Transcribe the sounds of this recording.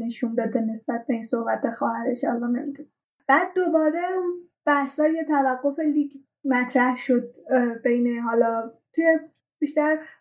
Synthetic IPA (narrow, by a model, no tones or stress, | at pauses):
ne̞ʃund̪ɒd̪ene̞sb̥æt̪̚be̞insohbæt̪̚e̞xɒːhæɾeʃhɒːlɒmemid̪une | b̥æːd̪̚ːobɒːɾe̞un | b̥æhsɒːjet̪ʰævæɡːo̞fe̞liːɡ | mæt̪ʰɾæhʃod̪̚be̞jne̞ɦɒːlɒːt̪ʰuje | b̥iʃt̪æɾ